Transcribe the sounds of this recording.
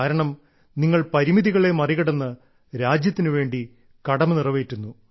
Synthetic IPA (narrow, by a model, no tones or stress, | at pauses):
aːɾɐɳɐm | niŋːɐɭpɐɾimiðiɣɐɭe̞mɐriɣɐɽɐnːɨ | ɾaːd͡ʑjɐt̪ːinɨʋe̞ːɳɖi | kɐɽɐmɨnirɐʋeːtːunːu